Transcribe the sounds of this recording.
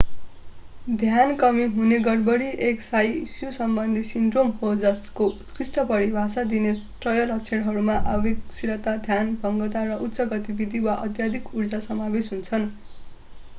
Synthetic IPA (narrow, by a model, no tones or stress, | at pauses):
d̪ʱjankʌmiɦuneɡʌrbʌɽiʔeksajsjusʌmbʌnd̪ʱisinɖromɦod͡zʌsko | krisʈʌpʌɽibʱasad̪inet̪rʌjʌlʌk̚t͡sʰeɽɦʌɾumaʔabeksiɾʌt̪ad̪ʱjanbʱʌŋɡʌt̪arʌʔut̪ːsʌɡʌt̪ibid̪ʱiwaʔʌt̪jad̪ʱikurd͡zasʌmabesɦunt͡sʰʌn